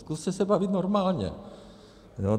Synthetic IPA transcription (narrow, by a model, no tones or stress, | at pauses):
skust̪ɛsɛbavɪt̪noɾmaːlɲɛ̰ | jo